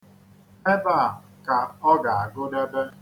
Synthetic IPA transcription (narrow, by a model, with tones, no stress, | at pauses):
e˦ba˦˨ | ka˨ɔ˦ɡa˨a˨ɡʊ˦da˦be˦